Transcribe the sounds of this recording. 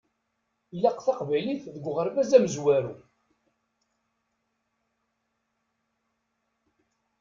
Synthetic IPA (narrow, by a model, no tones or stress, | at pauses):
ilæqθɑqvæjliθðəɡʷʁəɾvæzæməzwæɾu